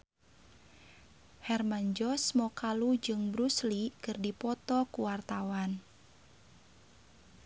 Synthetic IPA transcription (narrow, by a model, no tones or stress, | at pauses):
hɛrmaɲd͡ʒɔsmɔkalud͡ʒɨŋbɾuslikɨrdipɔt̪ɔkuwart̪awan